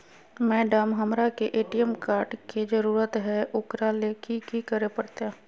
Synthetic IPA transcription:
mɛːɖəmɦəmɾakeʔeːʈijəmkaːɾʈked͡ʒəɾuːɾət̪ɦɛʔʊkɾalekikikəɾepəɽt̪aː

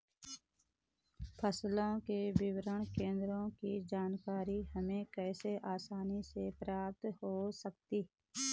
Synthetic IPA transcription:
pʰəslõkebɪwɾəɳkẽːnd̪ɾõkid͡ʒaːnkaːɾihəmẽkɛːseʔaːsaːnisepɾaːp̚t̪hoːsəkt̪iː

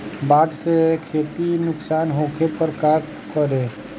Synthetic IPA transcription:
baːʈsekʰeːt̪inʊksaːnɦokʰepəɾkaːk | kəɾe

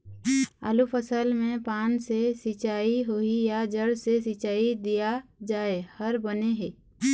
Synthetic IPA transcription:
ə̰lupʰəsəlmẽpaːnsesɪt͡ʃaːiɦoijad͡ʒəɽsesɪt͡ʃaːid̪ijad͡ʒaːehəɾbəneɦeː

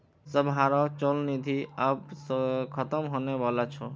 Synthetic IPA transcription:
səbɦaːɾɔt͡ʃɔlnid̪ʱiabskʰət̪əmɦonebalat͡ʃʰɔ

